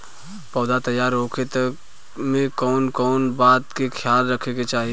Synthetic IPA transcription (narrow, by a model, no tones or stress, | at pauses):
pɔːd̪at̪ɐjːaːɾɦoːkʰet̪ɐ | mẽkɔːnkɔːnbaːt̪kekʰjaːlɾɐkʰeket͡ʃaːɦi